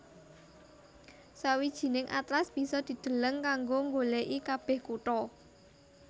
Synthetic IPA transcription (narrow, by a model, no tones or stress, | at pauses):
sawid̥ʒ̥i̤nɪŋʔa̰t̪ɾasb̥i̤sɔd̪̥i̤d̪̥ə̤ləŋkaŋɡoŋɡoleʔikab̥ɛhkuʈɔ